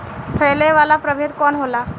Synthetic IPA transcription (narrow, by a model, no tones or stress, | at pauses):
pʰəleʋalapɾəbʱed̪kɔnɦola